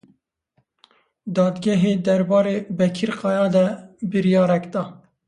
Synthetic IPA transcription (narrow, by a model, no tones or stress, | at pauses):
d̪ɑːd̪ɡʲɛɦeːd̪ɛɾbɑːɾeːbɛkʰiɾqɑːjɑːd̪ɛbɨɾijɑːɾɛkd̪ɑː